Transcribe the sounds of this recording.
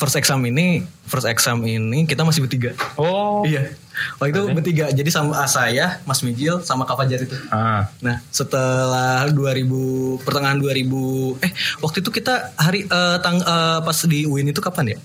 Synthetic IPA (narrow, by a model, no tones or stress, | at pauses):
fərseksaminifərseksaminikit̪amasɪhbərt̪iɡaoija | walit̪ubərt̪iɡad͡ʒadisaməsajahmasmid͡ʒɪlsamakapad͡ʒaɾit̪uanahsət̪əlahduaɾibupərt̪əŋaɦanduaɾibuɛhwak̚t̪uit̪ukit̪ahaɾiət̪aŋəpasdiuɪnit̪ukapanja